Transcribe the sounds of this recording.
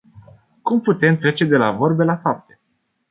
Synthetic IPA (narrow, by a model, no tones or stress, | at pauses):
kumput̪e̞mt̪ɾe̞t͡ʃe̞d̪e̞lavo̞rbelafap̚t̪e